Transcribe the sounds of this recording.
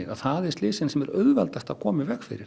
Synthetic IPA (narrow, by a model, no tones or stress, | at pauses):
ɪa̰ðθaðɛɾ̥st̪lɪːsɪnsɛmɛɾœɣvɛ̰lt̪ast̪akʰɔːmɪvɛxfɪ̰ɾɪɾ̥